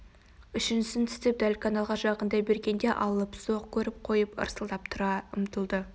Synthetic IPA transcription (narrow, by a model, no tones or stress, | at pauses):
ʏʃɪnsɪnt̪ʰɪ̥st̪ɪp̚d̪ælkʰanɑlˠʁɑʒɑqənd̪ɑjbe̞ɾɡʲe̞nd̪e̞ʔɑlˠəpso̞qkʲʰɵɾɪp̚qʰo̞jəpə̰ɾsəlˠd̪ɑpt̪ʰʊɾɑʊmt̪əlˠd̪ə